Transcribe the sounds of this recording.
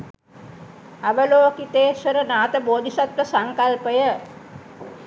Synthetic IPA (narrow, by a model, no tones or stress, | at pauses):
aʋəloːkit̪eːsəɾənaːt̪əboːd̪ʱisat̪ʋəsaŋkalpəjə